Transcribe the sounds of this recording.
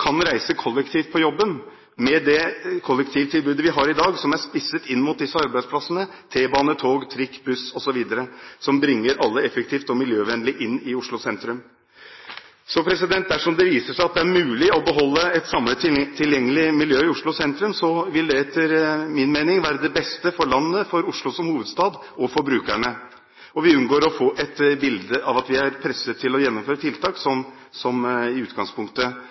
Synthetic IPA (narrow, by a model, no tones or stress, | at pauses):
kʰɑnɾæɪsəkʰɔlːəkt̪ʰiːft̪̚pɔjɔbːən | mɛd̪ɛkʰɔlːəkt̪ʰiːʋt̪ʰɪlbʉːd̪əʋɪɦɑɾɪd̪ɑːɡsɔmæʂpɪsːət̪ɪnːmʊt̪̚d̪ɪsːəɑɾbæɪd̪spʰlɑsənə | t̪ʰeːbɑːnət̪ʰoːɡt̪ʰɾɪkːbʉsɔsɔʋiːd̪əɾəsɔmbɾɪŋːəɾɑlːəɛfək̚t̪ʰiːft̪ɔmɪljøːʋɛnəlɪʔɪnːɪʊʂɭʊsɛnt̪ɾʉm | sɔpʰɾɛsɪd̪ɛnt̪̚d̪æʂɔmd̪ɛʋiːsəʂæɪɑt̪d̪ɛæɾmʉːlɪɔbəɦɔlːəɛt̪sɑmlət̪t̪ʰːɪljɛŋːəlɪmɪljøːɪʊʂɭʊsɛnt̪ɾʉmsɔʋɪld̪ɛɛt̪ʰːəɾmɪnmeːnɪŋʋæːɾəd̪ɛbɛst̪əfɔɭɑnːəfɔɾʊʂɭʊsɔmhuːʋəd̪st̪ɑːd̪ | ɔfɔɾbɾʉːkæɳə | ɔʋɪʉnɡoːɾɔfoːʔɛt̪bɪld̪əʔɑʋɑt̪ʋɪæɾpʰɾɛsət̪ʰːɪlɔjɛnːɔmføːɾət̪ʰɪlt̪ʰɑːksɔm | sɔmɪʉːt̪ɡɑŋspʰʊŋkt̪ə